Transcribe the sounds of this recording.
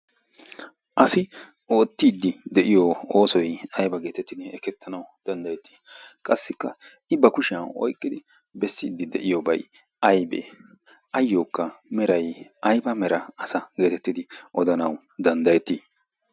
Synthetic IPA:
ʔɐsɪ | o̞ːt̪ːid̪ːɪd̪ɛʔɪjooːsɔjɐjbɐɡe̞ːt̪ɛt̪ːɪd̪ɪɛkɛt̪ʰːɐnɐwd̪̥ɐnd̪ɐjɛt̪ːi̥ːkʼɐsːɪkːɐ | ɪbɐkʊʃɪɐnɔ̰jkʼːɪd̪ɪ | bɛsːɪːd̪ːɪd̪ɛ̰ʔɪjobɐ̰j | ɐjbḛ | ʔɐjːoːkːɐmɛɾɐjɐjbɐmɛɾɐɐsɐɡe̞ːt̪ɛt̪ːɪd̪ɪʔɔd̪ɐnɐw | d̪ɐnd̪ɐjɛt̪ːiː

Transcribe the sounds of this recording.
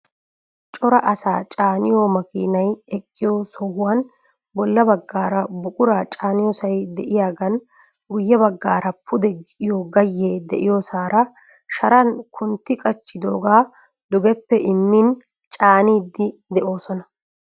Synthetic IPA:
t͡ʃʼɔɾɐʔɐsaːt͡ʃʼaːnɪjoːmɐkḭːnɐjɛkʼːɪjosɔhʊwɐn | bɔlːɐbɐɡːaːɾɐbʊkʼʊɾaːt͡ʃʼaːnɪjɔsɐjd̪ɛʔɪjaːɡɐn | ɡʊjːɛbɐɡːaːɾɐpʰʊd̪ɛɡɪʔɪjoɡɐjːeːd̪ɛʔɪjosaːɾɐ | ʃɐɾɐnkʰʊnt̪ːɪkʼɐt͡ʃːɪd̪o̞̰ːɡaː | d̪ʊɡɛpːɛʔɪmːin | t͡ʃʼaːniːd̪ːɪd̪ɛʔo̞ːsɔnɐ

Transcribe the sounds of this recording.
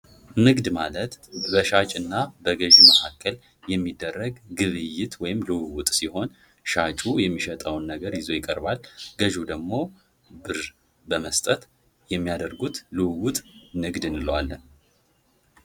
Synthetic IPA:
nɨɡd̪malət̪bəʃat͡ʃʼɨnːabəɡəʒuməhakʰːəl | jɛmːid̪ːərːəɡɡɨβɨjːɪt̪wɔjɪmlɨwɨwʊt̪ʼsiho̞n | ʃat͡ʃʼujɛmːiʃət̪ʼəwnːəɡəɾjɪzo̞jɪkʼːəɾbalɡəʒud̪əɡmo̞ | bɨɾ | bəməst̪ʼət̪ | jɛmːijad̪əɾɡut̪lɨwwut̪ʼnɨɡd̪ɨnɨləwalːən

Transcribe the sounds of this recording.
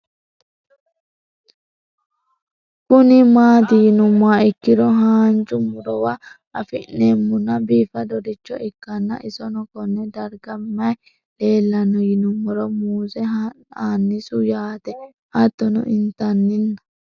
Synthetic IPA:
kʊnɪmaːt̪ɪjɪnʊmːaɪkːɪɾɔɦaːnt͡ʃʊmːʊɾɔwɐ | ɐfɪ̰ʔnːemːʊnɐbiːfɐd̪ɔd̪ɪt͡ʃːɔʔɪkːɐnːɐ̰ʔɪsɔnɔkɔnːɛd̪ɐɾɡɐmːɐj | le̞ːlːɐnːɔjɪnʊmːɔɾɔmuːsɛɦ | aːnːɪsʊjaːt̪ɛ | ʔɐt̪ːɔnɔ̰ʔɪnt̪ɐnːɪnːɐ̥

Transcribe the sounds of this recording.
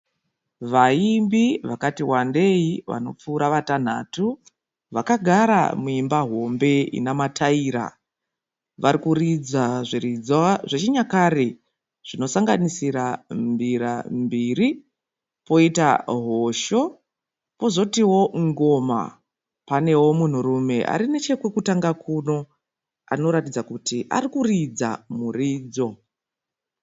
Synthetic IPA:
ʋaimbiʋakatiwande̞iʋa̰no̞̰p͡fuːɾaʋatan̤a̰tu | ʋakaɡʱaɾa̰muimbaɦo̞mbe̞ḭnamatʰaiːɾa̰ | ʋaɾikurid͡zaʐerid͡zʐet͡ʃiɲakaɾe | ʐ̥ino̞saŋɡanisiɾambiɾa̰mbiri | po̞ita̰ɦo̞ʃo̞ | po̞zo̞tiwo̞ŋɡo̞ma̰ | pane̞wo̞mun̤urume̞ʔa̰ɾine̞t͡ʃe̞kwekutaŋɡakʰuno̞ | a̰no̞ɾatid͡zakutiʔa̰rikurid͡za̰muriːd͡zo̞

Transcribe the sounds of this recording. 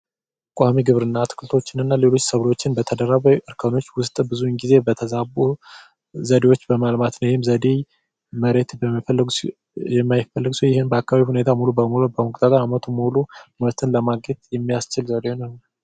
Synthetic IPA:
kʼamiɡɨβɾɨnːat̪ʰɨ̥kʰɨlt̪ʰo̞t͡ʃːɪnɨnːale̞lo̞t͡ʃːsəβlo̞t͡ʃːɪnbət̪ʰəd̪əɾːaβəjʔɨɾkʰəno̞t͡ʃːwʊst̪ʼbɨzunɡize̞bət̪ʰəzabu | zəd̪e̞wo̞t͡ʃːbəmalmat̪nəwjɪhɪmzəd̪ej | məɾe̞t̪bəmːafəlːɨɡ | jɛmːajɪfːəlːɨɡsujɪhɨnbəakːaβaβihune̞t̪ʰamulubəmulobəmɨkʼt̪ʰʼat̪ʼaɾamət̪ʰumluməɾt̪ʰɨnləmaɡɛt̪jɛmːijast͡ʃɪlzəd̪eonəhn

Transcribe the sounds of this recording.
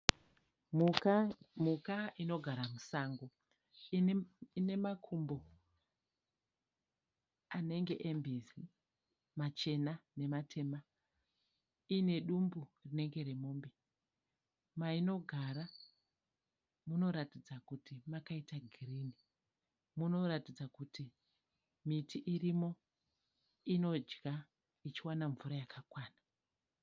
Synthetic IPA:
mukaino̞ɡʱaɾamusaːŋɡo | ine̞makʰumbo̞ | ane̞ŋɡe̞̰ʔembizi | mat͡ʃe̞nane̞matʰe̞ma | ine̞ɗumburine̞ŋɡe̞ɾemoːmbe | maino̞ɡʱaɾa | muno̞ɾatid͡zakutimakaitaɡʱirini | muno̞ɾatid͡zakuti | mitʰiʔirimo̞ | ino̞d͡ʒɡa | it͡ʃiwanaɱvuɾajakʰakwaːna

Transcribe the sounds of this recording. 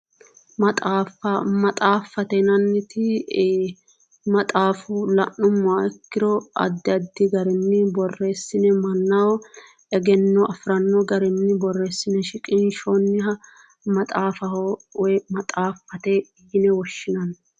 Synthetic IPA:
mɐt̪ʼaːfɐmɐt̪ʼaːfːɐt̪ɛnɐnːɪt̪ɪ | mɐt̪ʼaːfʊlɐʔːʊmːʊaɛkːɪɾɔɐ̰d̪ːɪɐd̪ːɪɡɐɾɛnːɪbɔrːe̞ːsːɪnɛmɐnːɐwɔ | ɛɡɛnːɔʔɐfɾɐnːɔɡɐɾɛnːɪbɔrːe̞ːsːɪnɛʃɪkʼɪnʃonːɪɦɐ | mɐt̪ʼaːfɐwɛmɐt̪ʼaːfːɐt̪ɛ | jɪnɛwɔʃːɪnɐn

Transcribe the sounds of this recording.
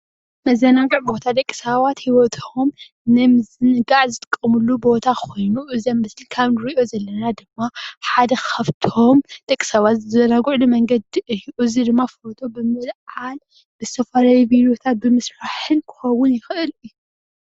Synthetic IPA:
mɐzɐnaɡuʕbo̞t̪ʰad̪ɐkʼːi̥saβat̪hiwɔt̪ʰom | nɨmɨzɨnɨɡaʕzɨt̪ʼɨkʼːɐmulːubo̞t̪ʰakʰo̞jnuʔɨziamːɨslikʰaβnɨɾiʔozɐlːɐnad̪ɨmːaħad̪ɐxʰɐβt̪ʰo̞md̪̥ɐkʼːi̥saβat̪zzɐnaɡuʕlumɐŋɡɐd̪iʔɨjʔuzid̪ɨmːafot̪ʰobɨmɨlʕal | bɨzɨ̥t̪ʰɐfaɾajibiɾijot̪ʰat̪̚bɨmɨsfaħɨnkʰɨ̥xɐwʊnjɪxɨʔɨlɨjːu

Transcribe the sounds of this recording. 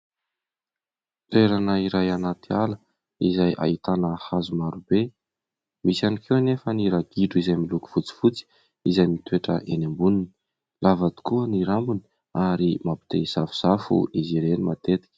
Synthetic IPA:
t̪ueɾanəiɾajanat̪ialə | izajʔa̰it̪anəhazumaɾube | misanikʰewnefəniɾaɡiɖ͡ʐuizajmiluku̥fut͡si̥fut͡si̥ | izajmit̪ueʈ͡ʂə̰ʔḛnembunini̥ | lʔavad̪i̥kuəniɾambuni̥ | aɾimapi̥t̪ezafu̥z̥afṵʔiziɾenimat̪et̪i̥kʲə̥

